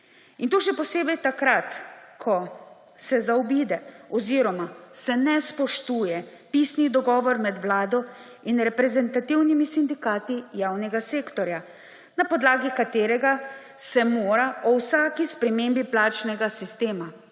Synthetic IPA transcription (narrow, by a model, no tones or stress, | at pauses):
int̪oːʃɛpɔseːbɛjt̪akɾat̪kʰɔ | sɛzaɔbiːd̪ɛɔziːɾɔmasɛnɛspɔʃt̪uːjɛpisnid̪ɔɡɔːʋɔɾmɛd̪ʋlaːd̪ɔ | inɾɛpɾɛzɛnt̪at̪iwnimisind̪ikaːt̪ijaːwnɛɡaseːkt̪ɔɾja | napɔd̪laːɡikat̪eːɾɛɡa | sɛmoːɾaʔɔwsaːkispɾɛmeːmbiplaːt͡ʃnɛɡasist̪eːma